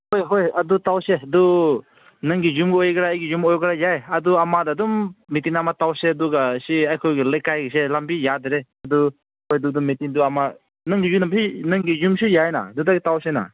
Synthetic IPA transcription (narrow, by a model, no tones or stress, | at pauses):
hojɦojadutawsedu | nɯŋɡijumɡiojɡɾaːjɡijumɔjɡɾajajaduamadadummitinamatawseduɡasiajkʰɔjɡeləjkajɡiselambijadeɾeadu | hojdudumːitiŋduama | nɯŋɡijunamsinɯŋɡijumsujajna̰dudaɡitawsena̰